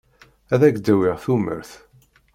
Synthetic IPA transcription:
æðæɡd̪æwiʁθumə̰ɾθ

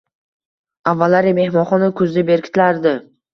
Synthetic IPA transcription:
avːalːaɾɪme̞hmɒnχɒnɪkʰʊzd̪ɪbe̞ɾkʲʰɪ̥t̪ʰlaɾd̪ɪ

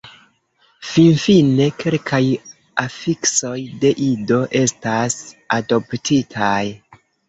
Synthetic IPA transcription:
finfine̞kʰe̞lkʰaj | afikso̞jde̞ʔido̞ʔe̞stasado̞ptʰitʰaj

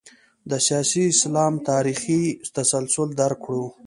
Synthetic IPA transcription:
d̪əsjɑːsiɪslɑmt̪ɑɾixit̪asalsʊld̪aɾkɽu

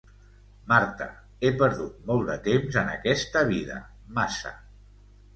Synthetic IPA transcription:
maɾt̪ə | epəɾðut̪̚mɔlˠd̪ət̪emzənəkɛst̪əβ̞iðə̰ | masə̰

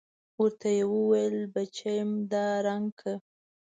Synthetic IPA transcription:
wəɾt̪ajewəwajlbat͡ʃajmd̪ɑɾaŋɡkʰa

